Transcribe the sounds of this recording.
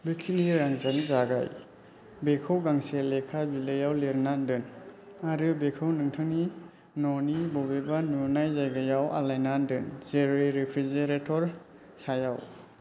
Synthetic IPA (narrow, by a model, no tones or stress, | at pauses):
lujkʰiniɾaŋzanzaɡa̰j | bekʰawɡaŋselekʰabilejawleɾnandɯn | aɾɯbekʰɯwnɯŋtʰɯŋni | nɔnibɔbebanunajzajɡajawʔa̰lajnandɯnzeɾiɾepʰɾizeɾetʰɔɾ | sajaw